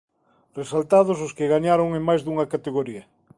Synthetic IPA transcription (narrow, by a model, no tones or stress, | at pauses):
resalt̪að̞ʊsʊskɪɣaɲaɾoŋẽmajzðuŋɐkat̪eɣoɾiɐ